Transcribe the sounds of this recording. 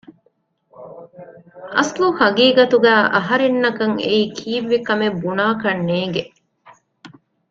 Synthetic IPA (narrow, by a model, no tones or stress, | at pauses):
ʔɐsluhɐɡiːɡɐt̪uɡæːʔɐɦɐɾenːɐkɐŋḛiːkʰiːʋːikɐmebunaːkɐnːeːɡe